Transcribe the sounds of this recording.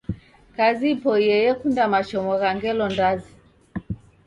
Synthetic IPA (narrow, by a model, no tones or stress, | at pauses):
kazipɔjɛjɛkundamat͡ʃɔmɔɣaŋɡɛlɔndazi